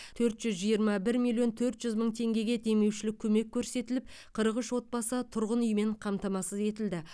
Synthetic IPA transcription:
t̪ʰɵɾt̪ʒ̥ʏzʒijəɾmɑbɪɾmʲilʲijo̞nt̪ʰɵɾt̪ʒʏzməɴt̪ʰe̞ŋɡʲe̞ɡʲe̞d̪e̞me̞wʃɪlɪkʲʰɵme̞kʲʰːɵɾse̞t̪ɪlɪp̚ | qʰəɾəʁəʃwo̞t̪̚bɑsət̪ʰʊɾʁənʏjme̞ɴqʰɑmt̪ɑmɑsəze̞t̪ɪld̪ɪ

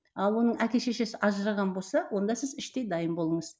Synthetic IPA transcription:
ɑlˠwo̞nəɴækʲe̞ʃe̞ʃe̞sɪʔɑʒəɾɑʁɑnbo̞lˠsɑwʔo̞nd̪ɑsɪzɪʃt̪e̞jd̪ɑjəmbo̞lˠəɴəz

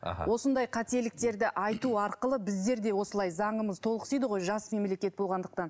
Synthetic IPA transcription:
wʔo̞sənd̪ɑjqʰɑt̪e̞lɪk̚t̪e̞ɾd̪ɪʔɑjt̪uɑɾqəlˠəbɪzd̪e̞ɾd̪e̞wo̞səlˠɑjzɑɴəməzt̪ʰo̞lˠəqə̥sijd̪əʁo̞jʒɑsme̞mle̞kʲe̞t̪̚bo̞lˠʁɑnd̪əq̚t̪ɑn

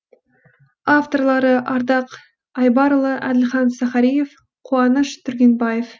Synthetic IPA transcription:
aft̪o̞rlˠɑɾəʔɑɾd̪ɑq | ɑjbɑɾəlˠəʔæd̪ɪlχɑnsæχɑɾije̞f | qʰuɑnəʃt̪ʰʏɾɡʲe̞nbɑjef

